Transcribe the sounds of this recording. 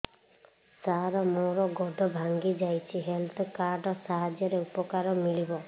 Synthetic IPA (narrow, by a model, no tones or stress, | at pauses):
saɾɔmoɾɔɡɔd̪ʱɔbʱaŋɡid͡ʒajt͡ʃʰiɦelt̪ʰɔkaɾɖɔsaɦad͡ʒjɔɾeupɔkaɾɔmiɭibɔ